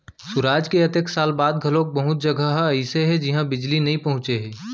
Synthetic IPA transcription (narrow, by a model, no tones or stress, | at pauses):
sʊɾaːd͡ʒkeɐt̪əksaːlbaːd̪ɡʱɐlõk̚bɐɦʊt̪̚d͡ʒɐɡʱəɦɐɪseɦɛ̃d͡ʒɪɦãbɪd͡ʒlinɐɦĩpɐɦʊ̃t͡ʃeɦɛ̃ː